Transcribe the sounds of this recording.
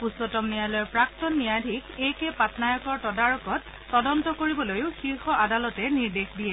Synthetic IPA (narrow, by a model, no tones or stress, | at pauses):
pusɔtɔmnijalɔjɔɹpɹak̚tɔnːijadʱikejkɛpatnajɔkɔɹtɔdaɹɔkɔtː | ɔdɔntɔkoɹibɔlojʊxiɹxɔʔadalɔtɛniɹdexdijɛ